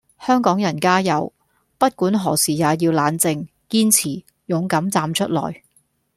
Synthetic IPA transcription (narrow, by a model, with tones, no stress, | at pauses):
hœː˥ŋkɔː˨˥ŋjɐ˨˩nkaː˥jɐ˨˧w | pɐ˥t̚kuː˨˥nɦɔː˨˩siː˨jaː˨˧jiː˧wlaː˨˧˥nt͡sɪ˧ŋ | kiː˥nt͡sʰiː˨˩ | jʊ˨˧ŋkɐ˨˥mt͡saː˧mt͡ʃʰɵ˥t̚lɔ̰ː˨˩j